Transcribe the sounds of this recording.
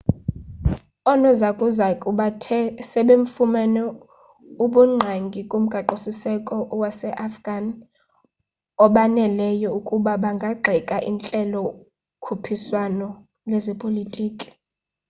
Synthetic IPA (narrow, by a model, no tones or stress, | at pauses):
ɔnɔzakʼuzakʼuɓatʰɛsɛɓeɱfumɛnɔ | uɓuŋ͡ǃʱaŋɡʱikʼum̩ɡ̥ʱaǃosisɛkʼɔʔwasɛʔafɡ̥an | ɔɓanɛlɛjɔukʼuɓaɓaŋɡʱaɡ͡ǃʱɛkʼaʔint͡ɬʼɛlɔ | kʰupʰiswanɔ | lɛzɛpʼolitʼiːkʼi̥